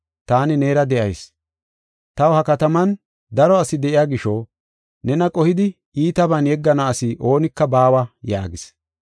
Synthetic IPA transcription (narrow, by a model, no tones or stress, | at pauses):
t̪aːnɪneːɾɐd̪ɛʔɐjs | t̪ɐwhɐkɐt̪ɐmɐn | d̪ɐɾɔɐsɪd̪ɛʔɪjaːɡɪʃɔ | nɛnɐkʼɔhɪd̪ɪ | iːt̪ɐbɐnjɛɡːɐnɐːsɪʔo̞ːnɪkːɐbaːwɐja̰ːɡɪs